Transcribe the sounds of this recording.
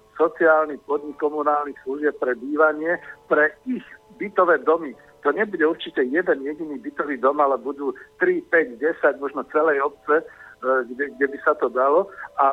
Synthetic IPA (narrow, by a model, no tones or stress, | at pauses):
sɔt͡siaːlnipɔd̪ɲikːɔmunaːlnixsluʒɪɛp̚pɾɛbiːʋaɲɪɛpɾɛiɣ | bit̪ɔʋɛːd̪ɔmi | t̪ɔɲɛbuɟɛuɾt͡ʃicɛjɛd̪ɛnjɛɟiniːbit̪ɔʋiːd̪ɔmalɛbud̪uːt̪ɾipɛɟɟɛsaɟmɔʒnɔt͡sɛlɛjɔp̚t͡sɛɡɛɡ̚ɟɛbisat̪ɔd̪alɔʔa